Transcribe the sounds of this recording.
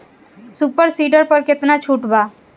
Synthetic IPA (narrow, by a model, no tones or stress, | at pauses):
suːpəɾsiːɖəɾpəɾkɪt̪nat͡ʃʰuːʈbaː